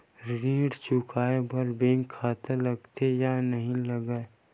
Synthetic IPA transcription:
ɾĩːɽt͡ʃʊkʰaːebʱɐɾbẽːŋkʰːaːt̪elɐɡt̪ejanəɦĩləɡə

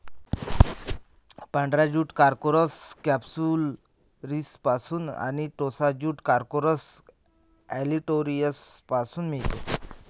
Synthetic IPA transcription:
pə̃ɳɖɾad͡ʑuːʈkaɾkoɾəskɛpsul | ɾispasuːna̰niʈ̪osad͡ʑuːʈkaɾkoɾəs | æliʈoɾijəspasuːnmiɭt̪o

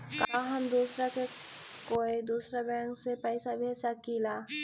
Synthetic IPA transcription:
kaːɦəmd̪uːsɾake | koːid̪uːsɾabɛ̃ːŋksepəɪsabʱeːsakila

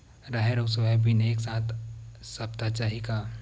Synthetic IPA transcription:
ɾaɦeɾosəʋɛbineːksaːt̪ʰsɐp̚t̪at͡ʃaːɦika

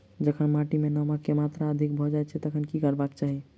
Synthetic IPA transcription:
d͡ʒəkʰənmaʈimenəməkːemat̪ɾaəd̪ʱik̚bʱɔd͡ʒajt͡ʃʰɛt̪əkʰənkikəɾbakt͡ʃaɦi

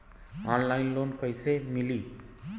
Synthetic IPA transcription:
ɔnlajnlonkʌjsemili

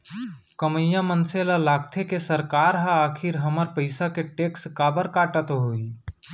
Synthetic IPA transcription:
kəməjːãmənselalaːk̚t̪ʰekesəɾkaːɾɦə̃aːkʰiɾɦəməɾpəɪsakeʈekskaːbəɾkaːʈət̪ɦoi

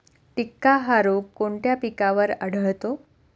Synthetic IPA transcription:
pikːaɦaɾokkːoɳt̪japikaʋəɾəɽ̤əɭt̪o

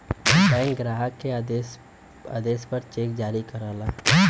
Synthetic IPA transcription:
bɛ̃ːŋɡɾaːɦəke | a̰d̪eːspɐɾt͡ʃeːk̚d͡ʒaːɾikɐɾaːlaː

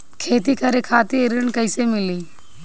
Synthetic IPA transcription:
kʰeːt̪̬iːkʰəɾekʰaːt̪ieɾəɳkəɪsemɪliː

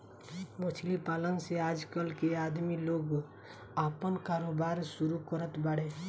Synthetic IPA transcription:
ʋət͡ʃʰlipaːlənseaːd͡ʒkəlkeaːd̪miloːɡ | aːpənkaːɾoːbaːɾsʊɾukəɾət̪baɽeː

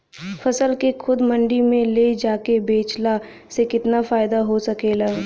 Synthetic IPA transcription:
fɐsəlkexʰʊd̪mɐ̃ɳɖimẽled͡ʒaːkebeːt͡ʃla | sekɪt̪nafaːɪd̪aɦosɐkeːlaː

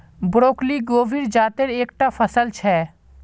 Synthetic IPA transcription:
bɾoːkliɡoːʋiɾd͡ʒaːt̪əɾeːk̚ʈapʰəsəlt͡ʃʰɛː

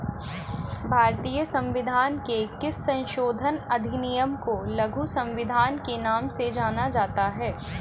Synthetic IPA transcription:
bʱaːɾt̪iːjəsɐ̃mʋɪd̪ʱaːnkekɪsːɐ̃nʃoːd̪ʱənɐd̪ʱɪnijəmkolɐɡʱusɐ̃mʋɪd̪ʱaːnkenaːmsed͡ʒaːnad͡ʒaːt̪aɦɛː

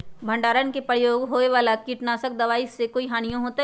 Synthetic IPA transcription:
bʱə̃ɳɖaːɾənkepɾəjoːɡɦoːeʋaːlakiːʈnaːsək̚d̪ɐʋaːisekoiɦaːnijõɦoːt̪a

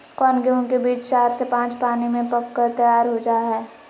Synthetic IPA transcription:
kɔːnɡeɦõkebiːt͡ʃt͡ʃaːɾsepãːt͡ʃpaːnimẽpɐkːəɾt̪əjaːɾɦod͡ʒaːɦɛː

